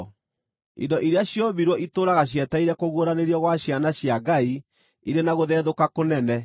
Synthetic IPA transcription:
ḭndɔʔiɾeaɕjɔbiɾwɔʔitoːɾaɣaɕ̬jɛtaiɾɛkoɣwoɾaneɾjɔɣwaɕjanaɕjaɡai | iɾenaɣoðɛːðokakonɛnɛ

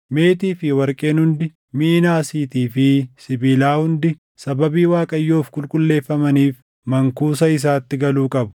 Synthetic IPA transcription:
me̞ːt̪iːfɪwɐɾkʼe̞ːnhʊnd̪ɪ | minaːsiːt̪iːfɪsɪbiːlaːhʊnd̪ɪ | sɐbɐbiːwaːkʼɐjːoːfkʼʊlkʼʊlːe̞ːfːɐmɐniːf | mɐŋkuːs̬ɐɪs̬aːt̪ːɪɡɐluːkʼɐbʊ̥

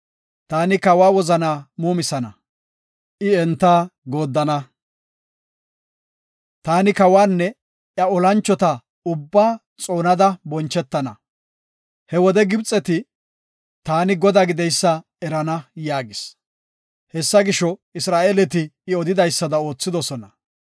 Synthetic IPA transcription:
t̪aːnɪkɐwaːwɔzɐnaːmuːmɪsɐnɐ̰ | ʔɪɛnt̪ːaːɡo̞ːd̪ːɐnɐ | t̪aːnɪkɐwaːnːɛ | ʔjɐɔlɐnt͡ʃːɔt̪ɐ | ʊbːaː | t͡sʼo̞ːnɐd̪ɐbɔnt͡ʃːɛt̪ːɐnɐ | hɛwɔd̪ɛɡɪbt͡sʼːɛt̪ɪ | t̪aːnɪɡɔd̪aːɡɪd̪ɛjsːɐ | ɛɾɐnɐjaːɡɪs | hɛsːɐɡɪʃɔɪsɾaːʔeːlɛt̪ɪɪɔd̪ɪd̪ɐjsːɐd̪ɐo̞ːt͡sːɪd̪ɔsɔnɐ

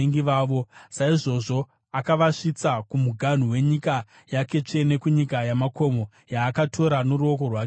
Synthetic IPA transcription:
eŋɡiʋaːʋo̞saiʐo̞ʐo̞ | akaʋaʂit͡sakumuɡʱan̤uwe̞ɲika | jake̞t͡ʂe̞ne̞kuɲikajamako̞mo̞ | jaːkatʰo̞ɾano̞ɾuo̞ko̞rwak

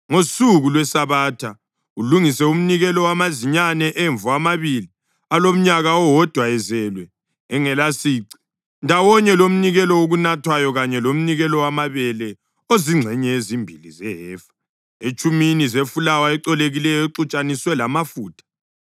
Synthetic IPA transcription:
ŋosuɣulwɛsaβaːtʰa | uluŋisɛum̩niɣɛlɔwamaziɲanɛʔeɱvuamaβili | alom̩ɲaɣaɔwɔd̥ʱwaɛzɛlwɛ | ɛŋɛlasiːǀi̥ | ndʱawɔɲɛlom̩niɣɛlɔoɣunatʰwajɔɣaɲɛlom̩niɣɛlɔwamaβɛlɛ | oziŋ͡ǀʱɛɲɛezimbʱilizɛɦɛːfḁ | et͡ʃʼuminizefulawaɛǀɔleɣilɛjɔeǀut͡ʃʼaniswɛlamafuːtʰḁ

